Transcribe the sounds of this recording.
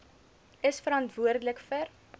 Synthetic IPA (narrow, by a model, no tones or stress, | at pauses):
əsfəɾɐntvuərdələkfər